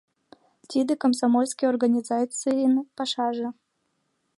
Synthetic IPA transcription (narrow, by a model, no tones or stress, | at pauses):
t̪ʲid̪əkəmsamolʲskʲijorɡanʲizat͡sɨjinpɑʃɑʒɤ̆